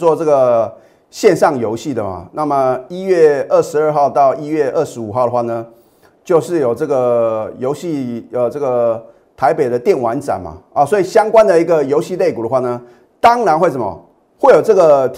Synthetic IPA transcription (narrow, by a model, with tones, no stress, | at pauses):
wɔ˥t͡sɤ˥˩ɡə˩ | ɕjɛ˥˧nʂɑ˥˩ŋjo˧˥ʊɕi˥˩d̪ə˩ma̰˩na˥˩mə˩i˦˥ɥɛ˥˧ə˥˩ʂɻ̩˧˦ə˥˧xɑ˥˧ʊt̪ɑ˥˧ʊi˥ɥɛ˥˧ʔə˥˩ʂɻ̩˧˥u˨˩xɑ˥˩ʊd̪ə˩xwa˥˩nə˩ | t͡ɕjo˥˧ʊʂɻ̩˥˩jo˨˩ʊʈ͡ʂɤ˥˩ɡə˩jo˧˥ʊɕi˥˧ə˨ʈ͡ʂɤ˥˩ɡə˩ | t̪ʰa˧˦ɪpe˨˩ɪd̪ə˦t̪jɛ˥˩nwa˧˦nʈ͡ʂa̰˨˩nma̰˨˩ə˨˩swɔ˧˥i˨˩ɕjɑ˥ŋkwa˥˦nd̪ə˨i˧˥ɡə˨jo˧˥ʊɕi˥˧le˥˩ɪku˨˩ə˩˦xwa˥˩nə˩ | t̪ɑ˦ŋɻa˧˥nxwʂə˨˩mə̰˨˩ | xwe˥˩ɪjo˨˩ʊʈ͡ʂɤ˥˩ɡə˩t̪